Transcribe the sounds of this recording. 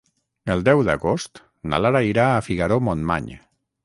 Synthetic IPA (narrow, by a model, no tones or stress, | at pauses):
əlˠd̪ɛwðəɣost̪ | na̰laɾaiɾaːfiɣaɾomonma̰ɲ